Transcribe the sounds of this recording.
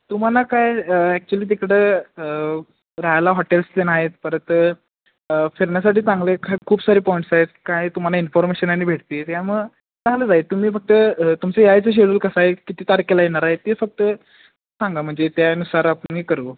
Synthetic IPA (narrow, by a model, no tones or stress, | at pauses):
t̪um̤alakajəɛk̚t͡ɕuəliːt̪̬ikɽeə | ɾaɦjalaɦɔʈelst̪enaɦet̪̚pəɾət̪ə | feɾɳjas̬aʈiːt͡sãŋɡlekʰakʰuːbsaɾiːpɔiɳʈsaɦet̪̚kajt̪um̤alainfɔɾmeɕənaɽ̃iːbʱeʈt̪iːt̪jaməɡ | t͡sãŋɡləd͡zaɦet̪ːum̤iːfək̚t̪ət̪umt͡sejajt͡səɕ̬eɽuːlkəsaɦekit̪iːt̪aɾkelajeɽ̃aɾaɦet̪efək̚t̪ə | sãŋɡam̤əɳd͡zet̪janusaɾapnikəɾuː